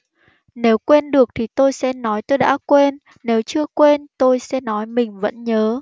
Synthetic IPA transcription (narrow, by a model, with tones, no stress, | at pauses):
ne˨˦wkwe˧nɗɨ˨˩ək̚t̪ʰi˨˩t̪o˧jsɛ̰˧˥nɔ˨˦jt̪o˧jɗa̰ː˧˥kwe˧nː | e˨˦wt͡ɕɨ˧əkwe˧nt̪o˧jsɛ̰˧˥nɔ˨˦jmï˨˩ŋ̟və̰˧˥nɲəː˨˦